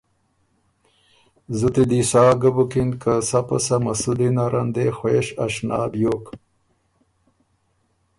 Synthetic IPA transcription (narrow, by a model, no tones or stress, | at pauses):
zut̪id̪isaːɡabukinkasapasamasud̪inaɾʔand̪exweːʃaʃna̰ːbjok